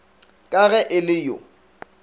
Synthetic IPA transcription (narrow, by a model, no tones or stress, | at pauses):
kʼaɣɛʔɪlɪjʊ̰